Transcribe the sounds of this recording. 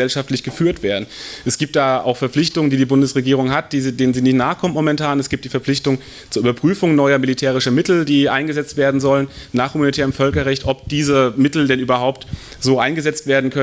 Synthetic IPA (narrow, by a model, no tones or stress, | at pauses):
ɛlʃaftlɪçɡ̥əfyːɐtv̥eːɐdn̩ʔɛsɡ̥iːp̚td̥aːaʊxfɛɐflɪçtʊŋəndiːdiːbʊndəsʁeɡiːʁ̞ʊŋɦat̚d̥iːdeːnənziːnɪçtnaːχkʰɔmənmɔmɛntʰaːnɛsɡ̥iːptd̥iːfɛɐp͡flɪçtʊŋ | t͡suɐʔyːbɐpʁ̥yːfʊŋnɔʏɐmilitʰɛːʁ̞ɪʃɐmɪtl̩d̥iːʔaɪnɡəzɛt͡stv̥eːɐdn̩zɔlənnaːχhumanitʰɛːʁəmfœlkɐʁɛçtʔɔp̚d̥iːzəmɪtl̩dɛnʔyːbɐɦaʊp̚t | z̥oːʔaɪnɡəzɛt͡stv̥eːɐdn̩kʰœ